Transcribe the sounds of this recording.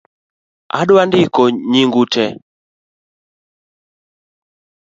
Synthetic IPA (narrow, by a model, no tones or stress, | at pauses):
a̰ɗwandikɔɲiŋɡutʰɛ